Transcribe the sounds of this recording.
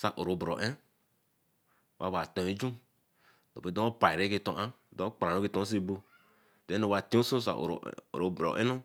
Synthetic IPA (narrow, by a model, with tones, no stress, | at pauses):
sa˨ʔo˨ɾo˨bɾo̰˨ʔe˦˨ | wʔa˦wa˨tõ˨e˦d͡ʒu˦ | do˨e˨˦do˦o˦pa˨i˨ɾe˦ke˦tõ˨ʔã˦˨do˦k͡pɾã˨no˦ki˦˨tõ˦s̬e˦bo˦ | de˨˦o˨wa˨tĩ˦o˦so˦sa̰˨ʔo̰˨ɾ̰ɾo˨bɾo̰˨ʔḛ˦no˦